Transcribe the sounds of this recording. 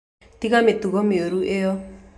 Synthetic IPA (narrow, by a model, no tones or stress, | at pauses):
t̪iɣamet̪uɣɔmeoɾuʔeɔ